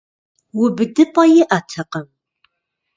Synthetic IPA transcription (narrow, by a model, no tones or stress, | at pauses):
wʊbɨdɨpʼɐjɪʔatʰɐqəm